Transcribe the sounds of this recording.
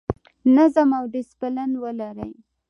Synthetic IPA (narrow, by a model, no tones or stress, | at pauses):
nazamawɖɪspalanwəlaɾəj